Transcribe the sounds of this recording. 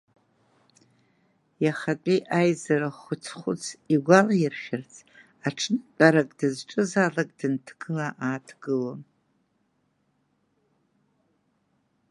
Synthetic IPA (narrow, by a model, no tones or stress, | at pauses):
jaχatʷʼiʔajzaɾaχʷʊt͡sʰχʷʊ̰t͡sʰiɡʷalajɪrχʲɪrt͡sʼʰ | aʈ͡ʂʰnɨt͡pʼaɾakʼdɨzʈ͡ʂʼɨzalakʼd̥ɨntʰɡ̥ɨlaʔaːtʰɡ̥ɨlom